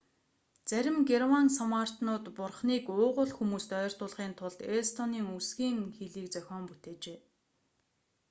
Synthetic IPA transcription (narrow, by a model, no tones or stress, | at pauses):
t͡sæɾʲɪ̆mɡermansɔmar̥t̪nʊːt̪pʊrχniːkʊːʁʊ̆ɮxumuːst̪œːr̥t̪ʊːɮʁiːnt̪ʰʊɮt̪est̪ʰɔniːŋusɡiːŋxeɮiːk̚t͡sœxʲɔːmput̪eːt͡ɕeː